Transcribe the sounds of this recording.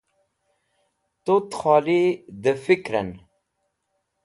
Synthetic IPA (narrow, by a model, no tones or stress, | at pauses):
t̪ot̪xɑːlid̪əfikɾən